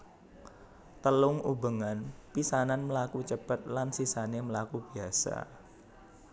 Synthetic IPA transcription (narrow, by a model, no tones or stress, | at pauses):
t̪əlʊŋubəŋanpisananməlakut͡ʃəb̥ə̤t̪̚lansisaneməlakub̥iasa̰